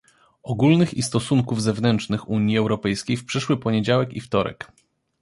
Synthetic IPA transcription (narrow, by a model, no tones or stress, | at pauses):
ɔɡulnɘxḭst̪ɔsuŋkuvzɛvnɛntt͡ʂnɘxuɲiɛwɾɔpɛjskʲejfpʂɘʂwɘpɔɲed͡ʑawɛkḭft̪ɔɾɛ̰k